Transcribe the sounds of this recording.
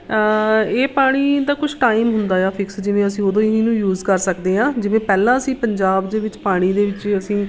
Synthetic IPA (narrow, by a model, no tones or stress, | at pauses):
eːpaːɽ̃iːd̪aːkʊt͡ʃʰʈaːiːmɦʊnd̪aːjaːpʰɪksd͡ʒɪʋẽːəsĩːod̪õːiɦĩːnũːjuːzkəɾsəkd̪eːɦãːd͡ʒɪʋẽːpɛːlãːəsĩːpəɲd͡ʒaːbd̪eːʋɪt͡ʃpaːɽ̃iːd̪eːʋɪt͡ʃəsĩː